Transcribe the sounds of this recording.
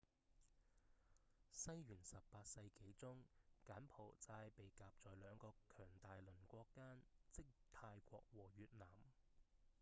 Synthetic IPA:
sɐ˥jɥyː˨˩nsɐ˨ppaː˧t̚sɐ˧jke˨˥jt͡sʊ˥ŋkaː˨˥npʰo˨˩wt͡saː˧jpe˨˩jkaː˨p̚t͡sɔː˨jlœː˨˧ŋkɔː˧kkʰœː˨˩ŋt̪aː˨jlɵ˨˩nkʷɔː˧kːaː˥nt͡sɪ˥k̚t̪ʰaː˧jkʷɔ̰ː˧k̚wɔː˨˩ɥyː˨t̚naː˨˩m

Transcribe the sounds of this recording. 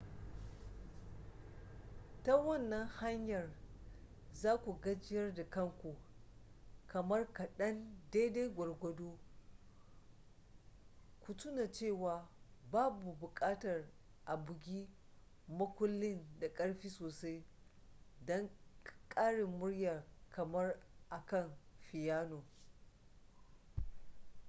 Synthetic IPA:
ta˦wɐ˦˨nːɐ˦ŋha˦ɲjɐ˨r | zaː˦kʷu˨ɡɐ˦d͡ʒɪ˦jɐ˦rda˨kɐ˦ŋkʷu˨ | kɐ˨mɐ˦rkɐ˨ɗɐ˦nda˦da˦jɡʷɐ˨rɡʷɐ˦doː˦ | kʷu˨tʊ˦na˨t͡ʃeː˦˨waː˨baː˦bu˨bʊ˨kʼaː˦tɐ˨r | ʔa˨bʊ˨ɡʲiː˦ | mɐ˦kʷʊ˦lːɪ˦nda˨kʼɐ˦ɽɸiː˦soː˨sa˦j | dɔ˦ŋkʼaː˦ɽɪ˨mːʊ˦ɽjɐ˨kʰɐ˨mɐ˦rʔa˨kɐ˦˨nɸɪ˨jaː˦noː˨

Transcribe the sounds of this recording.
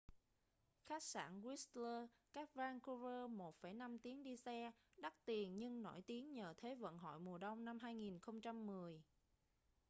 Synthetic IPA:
xaː˦˥k̚sa̰ː˧˩nwi˦˥stləː˧ | kaː˦˥k̚vaː˧ŋku˧zəː˧mo˨˩t̚fə˧˩jna˧mt̪i˨˦əŋɗi˧sɛ˧ɗa˦˥k̚t̪i˨˩ənɲɨ˧ŋnɔ̰˧˩jt̪i˨˦əŋɲəː˨˩t̪ʰe˨˦və̰˧˨nɦɔ̰˧˨jmu˨˩əɗə˧wŋ͡mna˧mɦaː˧jŋi˨˩nxə˧wŋ͡mt͡ɕa˧mːɨ˨˩əj

